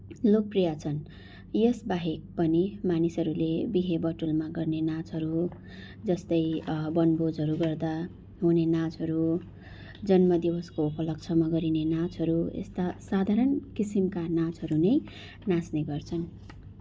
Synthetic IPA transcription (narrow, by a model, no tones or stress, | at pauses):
lok̚prijat͡sʰʌn | jʌsbaɦek̚pʌnimanisʌɾulebiɦebʌʈulmaɡʌrnenat͡sʌɾu | d͡zʌst̪ʌjbʌnbod͡zɦʌɾuɡʌrd̪a | ɦunenat͡sɦʌɾu | d͡zʌnmʌd̪ibʌskoupʌlʌk̚t͡sʰʌmaɡʌɾinenat͡sɦʌɾuḛst̪asad̪ʱaɾʌnkisimkanat͡sɦʌɾunʌj | nãsneɡʌrt͡sʰʌn